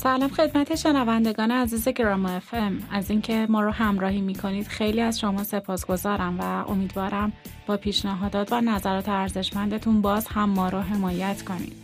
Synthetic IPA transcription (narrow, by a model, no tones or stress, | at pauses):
sælɒːmxe̞d̪mæt̪ʰe̞ʃe̞nævænd̪e̞ɡɒːneæziːze̞ɡɾɒmoefemæziːŋcʰe̞mɒːɾohæmɾɒːhiːmiːkʰo̞niːd̪̥xe̞jliːæzʃo̞mɒːsepʰɒːsɡ̥o̞zɒːɾæmvæo̞̰miːd̪vɒːɾæmb̥ɒːpʰiːʃnæɦɒːd̪ɒːt̪ʰvænæzæɾɒːt̪ʰeæɾze̞ʃmænd̪e̞t̪ʰunbɒːzhæmːɒːɾoɦe̞mɒːjæt̪ʰkʰo̞nḭːd̪̥